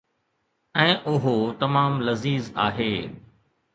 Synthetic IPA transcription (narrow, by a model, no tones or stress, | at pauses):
ɛ̃ːʔʊɦot̪ɐmaːmlɐziːza̰ːɦeː